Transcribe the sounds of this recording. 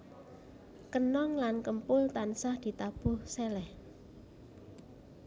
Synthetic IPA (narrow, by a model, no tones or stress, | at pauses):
kənɔŋlankəmpʊlt̪ansahd̪̥i̤t̪ab̥ʊhsɛlɛh